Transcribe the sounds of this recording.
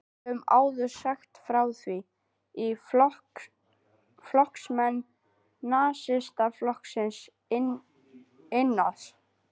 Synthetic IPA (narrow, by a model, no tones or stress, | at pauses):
ʏma̰ːwðʏɾsaxt̪fɾaːwθvi | i | flɔhksmɛnː | aːsɪst̪aflɔhksɪns | ɪnːaθ